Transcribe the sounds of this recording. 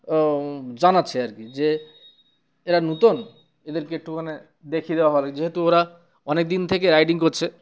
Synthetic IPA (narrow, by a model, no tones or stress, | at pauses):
d͡ʑanatːʰeaɾkid͡ʑe | eɾanut̪on | ed̪eɾkeek̚ʈukʰane | d̪ekʰid̪ewaɦɔelid͡ʑeɦet̪uoɾa | ɔnek̚d̪int̪ʰekeɾajʈiŋkoɾt͡ɕʰe